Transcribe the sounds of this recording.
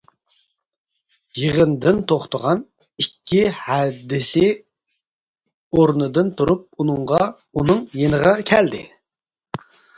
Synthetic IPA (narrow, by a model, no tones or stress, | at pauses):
jiʁənd̪ɪnt̪ʰoχt̪əʁɑn | ikʲʰːihɛd̪ɪsɪ | oɾnɨd̪ɨnt̪ʰuɾup̚unɨŋʁɑ | unɨŋjenəʁɑkʲʰɛld̪ɪ̰